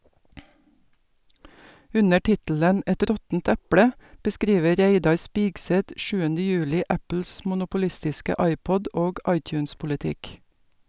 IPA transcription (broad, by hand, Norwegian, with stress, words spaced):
ˈʉnə ˈʈɪtələn ˈʔɛt ˈɾɔtn̩t ˈæplə bəˈskɾiːʋə ˈɾæɪdɑɾ ˈspiːɡsɛt ˈʔʃʉːənə ˈjʉːlɪ ˈʔæpl̩s mʊnʊpʊˈlɪstɪskə ˈʔɑɪˌpɔd ˈoːɡ ˈʔɑɪˌtjʉːnspʊlɪˌtɪk